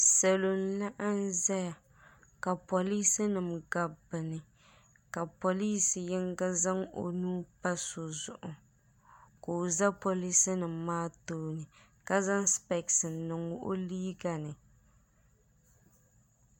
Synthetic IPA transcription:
sɛ˨lo˨nla˦ʔa˦n˦zɛ˦ja˨ | ka˨po˨li˦sɨ˦nɨ˨mɡa˨bɨ˨nɨ˨ | ka˨po˨li˦si˨jɪ˦ŋɡa˦za˦ŋo̰˨nuː˦pa˦so˨zʊ˨ʔʊ˨ | ko˨za˦po˨li˦si˦nɨ˨mː˨aː˦toː˦nɨ˨ | ka˦za˦nspɛ˨ksɨ˨nːɨ˨ŋʊ˦ʔo˦liː˦ɡa˨nɨ˨

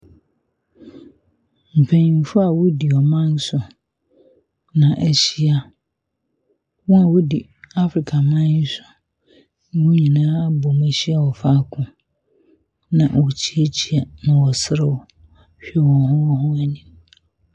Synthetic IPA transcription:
m̩˨pʰẽ˨nĩ˨m̩˨fʊ˦a˨wo˦di˨ɔ˨mã˦n˦sʊ˨ | nã˨ʔæ˨ɕi˦a˦ | wɔ̃˦a˨wʊ˦di˨ | a˦fɾi˨kʰa˨mã˦sʊ̥˨ | ñ˦wʊ̃˦ɲĩ˨nãː˦bɔ˨mæ˨ɕi˦a˦wɔ˨fa˦˨kʰʊ̃˨ | nã˨wɔ˨t͡ɕʰi˦e˦t͡ɕʰi˦a˨nʊ̃˦wɔ˨sɪ˦ɾɪ˨wɔ˨ | ɕᶣi˦˨wɔ̃˨hʊ̃˦hʊ̃˦æ˨nĩ˦m

